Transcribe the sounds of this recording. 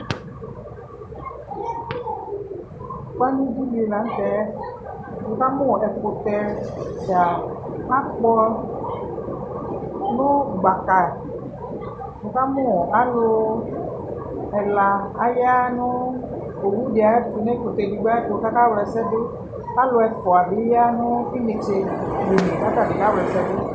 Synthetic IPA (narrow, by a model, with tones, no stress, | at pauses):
k͡pa˦nĩ˦du˦li˨e˨la˨n̩˦tɛ˨˦ | wʊ˨ka˦mʊ̃˦˨ʔɛ˨tʊ˨kʊ˨tɛ˨d͡ʒa˨a˦k͡pɔ˦ | nʊ̃˦ɡ͡ba˨ka˨ | wo˨˧ka˦mũ˦˨a˨˦lʊ˧ | ɛ˨la˧a˨ja˦nʊ˦ | o˨wu˦di˨a˨˦fu˨˧ne˦ko˨te˧di˧ɡ͡ba˦tka˦ka˦wlɛ˧sɛ˦dʊ˦˧ | ka˦lʊ˧ɛ˧fɔ˨a˨bi˨˦ja˦nʊ˦i˦me˨t͡ʃe˧be˨ne˨ka˦ta˦˨di˨ka˦wlɛ˨sɛ˦dʊ˦